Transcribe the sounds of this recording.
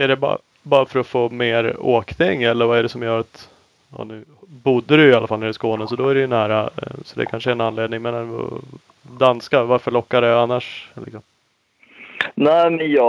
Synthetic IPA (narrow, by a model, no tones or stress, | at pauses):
æɖɛb̰ | bɑːɾafœɾɔfoːmeːɾoːkt̪ʰɪŋːɛlːəɾvaæɖɛsɔmjœːɾat̪ | ɑ̰ːnʉ̟ːbʊd̪ːəɾɵjɪalːafaliːɾɪskoːnəsɔd̪ɔæɾɛjɵnæːɾasɔd̪ɛ̰kʰanʂəæɾɛnanleːd̪nɪŋmɛːna̰ | d̪anskavaɾfœɭɔkːad̪ɛanːaʂlɪ̰ksɔm | næɪmɛnjɑ